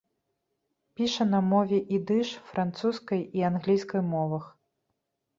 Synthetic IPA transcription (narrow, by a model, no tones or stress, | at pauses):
pʲiʂɐnɐmɔvʲɛʔid̪ɨʂfɾʔant̪suskɐjianɣlʲijskɐjmɔvɐx